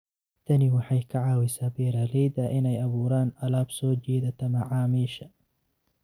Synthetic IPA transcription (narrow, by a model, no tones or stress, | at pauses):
t̪ʰɐnɪwɑħɑjkʰɐʕɑːwɛsaːbɛːɾaːlɛjd̪ɐʔɪnɛjɐβuːɾaːnɐlaːbsɔːt͡ʃɛːðɐt̪ʰɐmɐʕaːmiːʃɐ